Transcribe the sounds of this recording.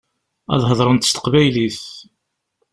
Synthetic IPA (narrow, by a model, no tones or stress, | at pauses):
æ̰ðˤɦəðˤɾˤənt̪ə̥st̪ə̥qvæjliθ